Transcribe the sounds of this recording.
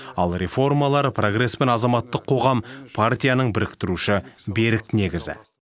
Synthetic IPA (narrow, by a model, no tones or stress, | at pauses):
ɑlˠɾʲe̞fo̞rmɑlˠɑɾəpʰro̞ɡre̞spe̞nɑzɑmɑt̪ːəqʰːo̞ʁɑmpʰart̪ʲijanəɴbɪɾɪkt̪ɪɾuʃɪbe̞ɾɪkne̞ɡʲɪzɪ̰